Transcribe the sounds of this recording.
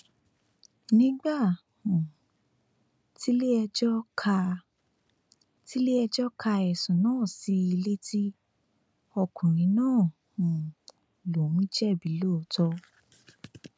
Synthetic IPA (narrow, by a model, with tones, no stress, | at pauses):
nĩ˨˦ɡ͡ba˦˨ | ũ˨ | ti˦le˦ɛ˧d͡ʒɔ˦kʰa˧ | ti˦le˦ɛ˧d͡ʒɔ˦kʰa˧ɛ˨sɔ̃˨nãː˦˨si˧˦i˧le˦tʰi˦ | ɔ˧kũ˨ɾ̃ĩ˨˦nãː˦˨ | ũ˨ | lo˨ũ˦d͡ʒɛ˦˨bi˨˦lo˦˨˦tɔ˧